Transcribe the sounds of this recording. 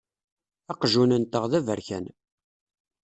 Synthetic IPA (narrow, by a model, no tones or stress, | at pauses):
ɑqʒunənt̪əʁðævəɾçæ̰n